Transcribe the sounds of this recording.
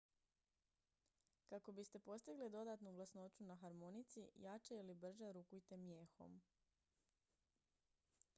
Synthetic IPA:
kako̞bist̪e̞po̞st̪iɡlid̪o̞d̪aːt̪nuɡlasno̞t͡ʃunaxaɾmo̞nit̪sijat͡ʃailibr̩ʒaɾukujt̪e̞mje̞ːxo̞̰m

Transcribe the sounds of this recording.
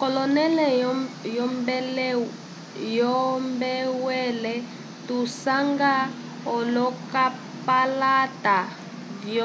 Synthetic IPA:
kɔlɔnɛlɛjɔmbɛl | jɔmbɛwɛlɛ | tusaŋɡa | ɔlɔka | palata | dj

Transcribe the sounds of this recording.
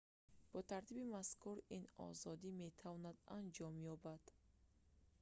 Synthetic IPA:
b̥ɔt̪ʰaɾt̪ʰibimaskuɾinɔ̰zɔd̪ime̞t̪ʰavɔnad̪and͡ʒɔmjɔbad̪̥

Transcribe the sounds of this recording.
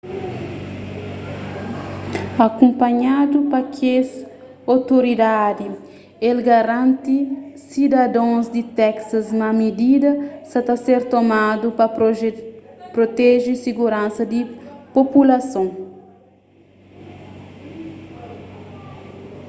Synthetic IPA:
akũmpɐɲad̪upɐkʰes | awt̪oɾid̪ad̪i | elɡɐɾãnt̪isid̪ɐd̪õzd̪it̪ɛksɐzmɐmid̪id̪ɐsɐt̪aseɾt̪omad̪upɐ | pɾot̪ɛʒisiɡuɾãnsɐd̪ipopulɐsõ

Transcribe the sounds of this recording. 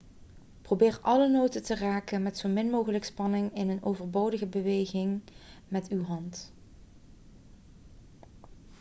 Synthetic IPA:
probɪːɹɑlənowtətəraːkənmɛtsowmɪnmowχələkspɑnɪŋɪnənowvəɹbowdəɣəbəʋejɣɪŋ | mɛtywɦɑnt

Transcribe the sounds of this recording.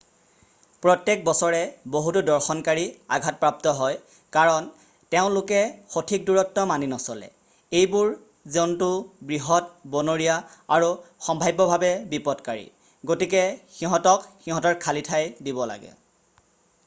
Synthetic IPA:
pɹɔtjek̚bɔsɔɹɛboɦutudɔɹxɔnkaɹia̰ɡʱat̚pɹap̚tɔɦɔj | kaɹɔn | teʊ̃lʊkɛxotʰik̚duɹɔtːɔmaninɔsɔlɛ̰ | ejbuɹ | zeʊntʊbɹiɦɔt̚bɔnoɹiaaɹuxɔmbʱajbɔbʱabɛbipɔtkaɹḭ | ɡotik̬ɛxiɦɔtɔkxiɦɔtɔɹkʰalitʰajdibɔla̰ɡɛ̰

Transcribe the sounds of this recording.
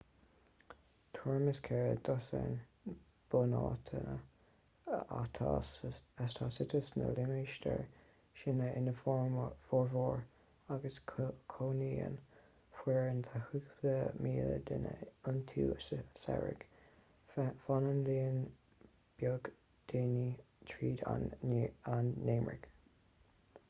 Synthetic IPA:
t̪ʰuɹməskʰɛɹəd̪ɔsə̰n | b̥ʊnɑːt̪ʰənə | tʰ | ast̪ʰɑːsɪt̪ʰəsnə̰lɪmiʃt̪ə̰ɹ | ʃɪnəɪnəfɔfɔɹvɔɹ | aɡəsʰkʰoːniːə̰n | hwɛːɹənt̪ʰahukðəmiːlə̰d̪ɪnəʊnt̪ʰuːəsəsɛ̰ɹɪ̰ɡ̥ | fanənliːən | b̥joɡ | d̪̥eːni | tʰɹiːd̪a̰ | anːeːmɹɪ̰ɡ̥

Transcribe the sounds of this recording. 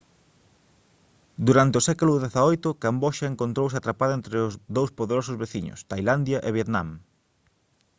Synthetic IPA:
d̪uɾant̪eʊsɛkulʊðeθaojt̪ʊkamboʃɐeŋkõnt̪ɾows̬eat̪ɾapaðʊẽnt̪ɾeʊzðowspoðeɾosʊzβeθiɲʊ̰st̪ajland̪jɐʔeβjet̪nã̰m

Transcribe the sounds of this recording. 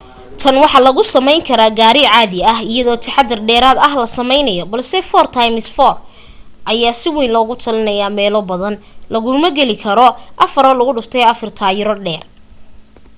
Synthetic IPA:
t̪ʰɐnwɑħɑlɐɣʊsɐmɛjŋkʰɐɾaːɡaːɾɪʕɑːðɪɐɦɪjɐðɔːt̪ʰɪħɑd̪ɐrɖɛːɾaːd̪ɐɦlɐsɐmɛjnɐjɔbɐlsɛfɔːrt̪ʰajmɪsfɔːr | ʔɐjaːsɪwiːnlɔːɣʊt̪ʰɐlɪnɐjaːmɛːlɔbɐðɐnlɐɣʊmɐɡɛlɪkʰɐɾɔʔɐfɐɾɔːlɐɣʊɖʊft̪ʰɛɐfɐrt̪ʰaːjɪɾɔɖɛːr

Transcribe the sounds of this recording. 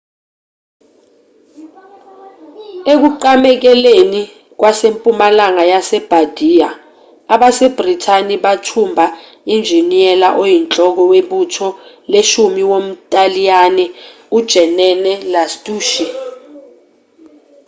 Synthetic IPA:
ek̬uǃamɛk̬ɛleni | k̬wasempʼumalaŋajasɛb̥ʱad̥ʱijaː | ɓaseb̥ritʰaniɓatʰumbʱa | ind͡ʒʱiniɛlaʔojint͡ɬʼɔk̬ɔweɓutʰɔ | leʃumiwom̩tʼalijanɛ | ud̥ʒ̥ʱɛnɛnɛlastʼuːʃi

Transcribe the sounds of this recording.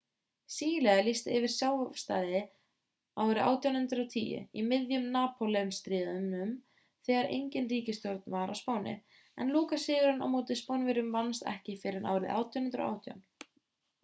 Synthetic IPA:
siːjɪlɛɣalist̪ɪɪvɪɾ̥sjaːwst̪a̰ːðɪ | awɾɪʔa̰ːwt̪jawnhʏnt̪ɾawt̪ʰḭːjʏ̰imɪðjʏmnaːpʰɔlɛmst̪ɾiːðʏmʏm | θɛːɣaɾʔḛjɲcɪnriːcɪst̪joɾt̪nvaɾa̰wspaːwnɪ̰ | ɛ̰nluːkasɪːɣʏɾʏna̰wmoːt̪ɪspownvɪɾʏmvanst̪ɛ̰hcɪfɪːɾɪnʔa̰wɾɪðʔa̰ːwt̪jannt̪ɾa̰ʔa̰ːwt̪ʰja̰wn

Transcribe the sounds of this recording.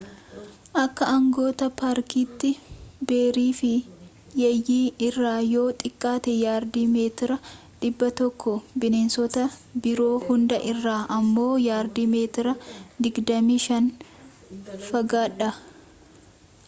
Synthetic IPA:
ʔɐkːɐʔɐŋɡo̞ːt̪ɐpaːɾkiːt̪ːɪbe̞ːɾiːfɪ | jɐjːiːɪrːaːjo̞ːt̪ʼɪkʼːaːt̪ɛjaːɾd̪iːme̞ːt̪ɪɾɐ | ᶑɪbːɐt̪ɔkʰːɔbɪneːnsɔt̪ɐbɪɾo̞ːhʊnd̪ɐʔɪrːaːʔɐmːo̞ːjaːɾd̪iːme̞ːt̪ɪɾɐd̪ɪɡd̪ɐmiːʃɐn | fɐɡaːᶑɐ

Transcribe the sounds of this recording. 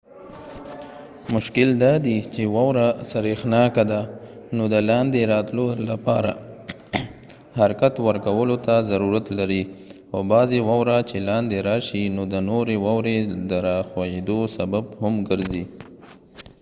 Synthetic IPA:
mʊʃkɪld̪ɑd̪it͡ʃewɑwɾasaɾexnɑkad̪anod̪əlɑnd̪eɾɑt̪lolapɑɾa̰ | haɾkat̪wəɾkawəlot̪azaɾuɾat̪laɾi | obɑzewɑwɾat͡ʃelɑnd̪eɾɑʃinod̪ənoɾewɑwɾed̪əɾɑxwajed̪osababhamɡəɾzi

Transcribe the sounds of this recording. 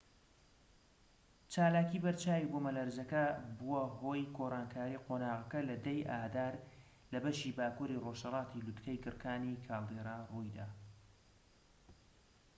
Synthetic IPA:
t͡ʃaːlaːkiːbɐɾt͡ʃaːwiɡomɐlɐɾzɐkɐbuwɐɦoːjɡoːraːnkʰaːɾiːqʰonaːʁɐkɐlɐd̪ɐjʔaːd̪aːɾ | lɐbɐʃiːbaːkuɾiroʃhɐlɑːt̪ilut̪kʰɐjkɨɾkʰaːnikʰaːlˠd̪eɾaːrujd̪a̰ː

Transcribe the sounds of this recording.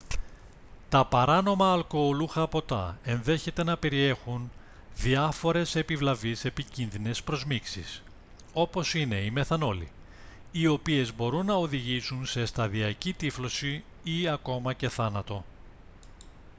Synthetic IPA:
t̪ɐpɐɾɐno̞mɐːlko̞ːluxɐpo̞t̪ɐ̰e̞nðe̞çe̞t̪e̞nɐpe̞ɾie̞xun | ðiɐfo̞ɾe̞se̞pivlɐvise̞picinðine̞spɾo̞zmiksḭs | o̞po̞sine̞ime̞θɐno̞lḭ | io̞pie̞zbo̞ɾunːɐoðiʝisunse̞st̪ɐðiɐcit̪iflo̞si | iɐko̞mɐce̞θɐnɐt̪o̞

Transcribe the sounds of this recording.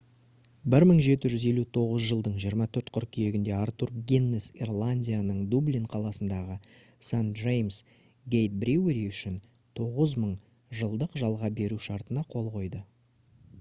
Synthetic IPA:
bɪɾməɴʒe̞t̪ɪʒʏze̞lut̪ʰo̞ʁəzʒəlˠd̪əɴʒijəɾmɑt̪ʰɵɾt̪qʰʏɾkʲʰije̞ɡʲɪnd̪e̞aɾt̪urɡʲenːesḭrlˠanʲdʲijanəɴd̪ubliɴqʰɑlˠɑsənd̪ɑʁə | sant̪ʒejms | ɡʲe̞jt̪̚bɾʲiwɾiʏʃɪn | t̪ʰo̞ʁəzməɴ | ʒəlˠd̪əqʒɑlˠʁɑbe̞ɾuʃɑɾt̪ənɑqʰo̞lˠqo̞jd̪ə

